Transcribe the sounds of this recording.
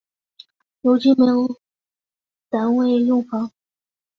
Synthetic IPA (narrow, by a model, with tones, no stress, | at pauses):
jo˧˥ʊt͡ɕi˥me˧˥o˧˥ | t̪a˧˥nwe˥˩ɪjʊ˥˩ŋfɑ˧˥ŋ